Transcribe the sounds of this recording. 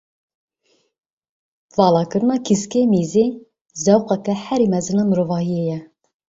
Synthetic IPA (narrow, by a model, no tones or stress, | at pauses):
vɑːlɑːkɨɾɨnɑːkʰiskeːmiːzeː | zɛwqɑkɛhɛɾimɛzɨnɑːnɾovɑːhijejɛ